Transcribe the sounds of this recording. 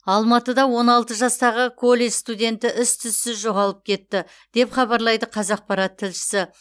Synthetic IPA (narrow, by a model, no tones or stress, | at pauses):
ɑlˠmɑt̪əd̪ɑwo̞nɑlˠt̪əʒɑst̪ɑʁəkʰo̞lʲːeʒst̪ud̪ʲe̞nt̪ɪʔɪst̪ʰʏsːɪzʒo̞ʁɑlˠəp̚kʲʰe̞t̪ːɪ | d̪̥e̞pχɑbɑɾlˠɑjd̪əqʰɑzɑq̚pɑɾɑt̪ʰːɪlʃɪ̥sɪ